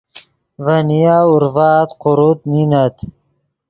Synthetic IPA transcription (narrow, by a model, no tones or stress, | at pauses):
vɐnijaːuɾvaːt̪qʊɾut̪ninat̪